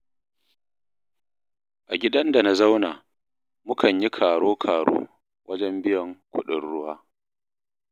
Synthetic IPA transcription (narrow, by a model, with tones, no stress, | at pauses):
ʔa˨ɡʲɪ˦dɐ˦nda˨na˦za˦wnaː˨ | mʊ˦kʰɐ˨ɲji˦kʰaː˨ɽoː˦kʰaː˨ɽo̰ː˦ | wʔɐ˦d͡ʒɛ˦mbɪ˦jɐ˨ŋkʷʰʊ̰˦ɗɪ˨rɽʊ˦waː˦